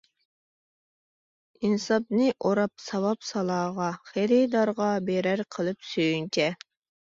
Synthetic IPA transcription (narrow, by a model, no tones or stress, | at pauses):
insɑp̚nɨʔoɾɑp̚sɑwɑpsɑlˠɑːʁɑχeɾid̪ɑɾʁɑbeɾæɾqʰəlˠɨpsyjynt͡ʃʰɛ